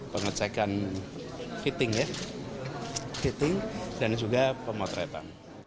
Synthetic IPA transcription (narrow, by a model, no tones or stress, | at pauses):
pəŋət͡ʃɛkan | fit̪ɪŋja | fit̪ɪŋdand͡ʒuɡapəmɔt̪ɾɛt̪a̰n